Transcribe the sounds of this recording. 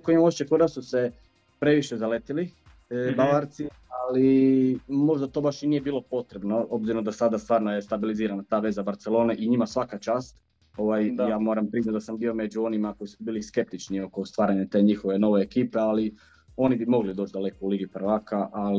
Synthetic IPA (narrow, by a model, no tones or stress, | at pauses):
koimaot͡ʃekod̪asuse | pɾe̞ʋiʃezalet̪ili | baʋaɾt̪si | ali | mo̞ʒd̪at̪o̞baʃniːje̞biːlˠo̞po̞t̪ɾe̞bno̞o̞bziɾod̪asad̪ast̪ʋaːɾnoje̞st̪abiliziːɾanat̪aːʋe̞zabaɾt̪se̞lˠo̞ːneʔiɲimasʋakat͡ʃaːst̪ | oʋajjaːmo̞ːɾampɾiːzat̪d̪asambio̞me̞d͡ʒuo̞nimako̞jisubiːlˠiske̞p̚t̪it͡ʃnio̞ko̞st̪ʋaːɾaɲat̪e̞ːɲixo̞ʋeno̞ʋe̞ːkiːpe̞ali | o̞nibimo̞ɡlid̪o̞ːt͡ʃd̪ale̞kouliɡipɾʋaːkaʔa